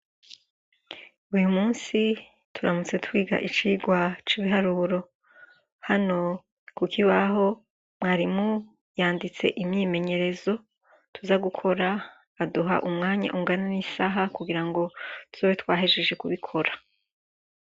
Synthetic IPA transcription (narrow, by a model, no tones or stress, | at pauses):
ujumuːnsi | tʰuɾamut͡se̞twiːɡa̰ʔit͡ʃiːɡwat͡ʃiːβiɦaɾuɾo̞ | hano̞ | kukʰiβaɦo̞ | mŋaːɾimu | jaːndit͡se̞̰ʔimɲiːme̞ɲe̞ɾe̞zo̞ | tuzaɡukʰo̞ɾaː | duɦa̰ʔumŋaːɲa̰ʔuŋɡananisaɦakuɡiɾaŋɡo̞tu̥zowetwaːɦeʒe̞ʒe̞kuβikʰo̞ɾa